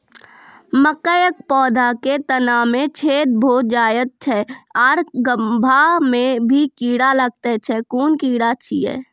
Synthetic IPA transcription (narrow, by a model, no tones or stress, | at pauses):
məkəjək̚pɔːd̪ʱaket̪ənamẽt͡ʃʰeːt̪̚bʱoːd͡ʒaːjət̪̚t͡ʃʰɛɔːɾɡəmbʱamẽbʱikiːɽaləɡ̚t̪et͡ʃʰɛkuːnkiːɽat͡ʃʰiɛ̰ː